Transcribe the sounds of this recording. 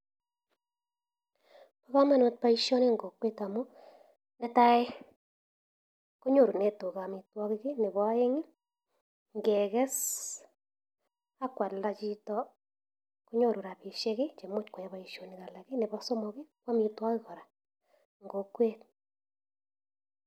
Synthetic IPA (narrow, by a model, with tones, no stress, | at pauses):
pa˦ɣa˦ma˦no˨t̚pa˦i˦ʃo˦ne˦ŋɡo˨kwe˦ta˨mo˦ | nɛ˨˦ta˦e˦ | ko˦ɲo˦˨ɾu˨ne˨to˨ɣa˨mi˨twɔ˦ɣi˦ɣe˦ne˨βɔ˨˦e˦ŋi˦ | ŋɡe˨ɣɛ˦s | a˦kwa˨la˨t͡ʃi˦tɔ˦ | ko˦ɲo˦˨ɾu˨ɾa˨βi˨ʃe˦ɣe˦t͡ʃe˨mo˦tkwa˨ja˦βa˨i˦ʃo˨ni˨ɣa˨la˨ki˦ne˨βɔ˦so˦mɔ˨ɣi˦kwa˦mi˨twa˦kɪ˦ɣɔ˨ɾa˨ | ŋɡo˨kwe˦t̚